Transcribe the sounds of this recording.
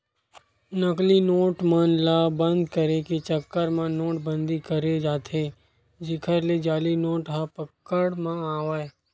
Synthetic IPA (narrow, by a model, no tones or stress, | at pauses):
nəklinoːʈmãːnlabə̃nd̪kəɾeket͡ʃəkːəɾmãnoːʈbə̃nd̪ikəɾed͡ʒaːt̪ʰeː | d͡ʒɪkʰəɾled͡ʒaːlinoːʈɦapəkːəɽmãaːʋae